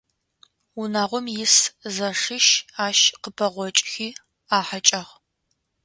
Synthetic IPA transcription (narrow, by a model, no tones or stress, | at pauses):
unaːʁʷɔmjɪszɐʂɨʃaːʃqəpʰɐʁʷɔt͡ʃʼxiː | aːħat͡ʃʼɐʁ